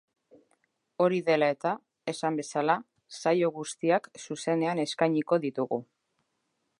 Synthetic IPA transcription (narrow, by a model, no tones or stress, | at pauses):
o̞ɾiðe̞lae̞t̪a | e̞sambe̞sala | sajo̞ɣ̞ust̪iaksuse̞ne̞ane̞skajɲiko̞ðit̪uɣu